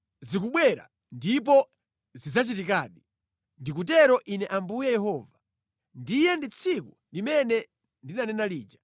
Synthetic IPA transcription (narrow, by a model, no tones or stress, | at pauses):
zikuɓwɛɾa̰ | ndip̬ɔ | zizat͡ʃitikaːɗi | ndik̬ut̬ɛɾɔʔinɛʔambujɛjɛɦɔːva | ndijɛndit͡sʰiku | limɛnɛ | ndinanɛnaliːd͡ʒa